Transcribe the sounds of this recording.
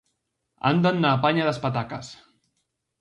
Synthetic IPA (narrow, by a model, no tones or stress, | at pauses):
a̰nd̪ənːapaɲaðəspat̪̬akas